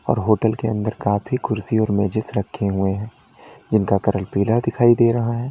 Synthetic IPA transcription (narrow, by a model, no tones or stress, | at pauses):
ɔ̰ːɾɦoːʈəlkeɐ̃nd̪əɾkaːpʰikʊɾsiɔːɾmɛːd͡ʒɪsɾɐkʰːeɦueɦɛ̃ː | d͡ʒɪnkakɐɾəlpiːlad̪ɪkʰaːid̪eːɾɐɦaɦɛ̃ː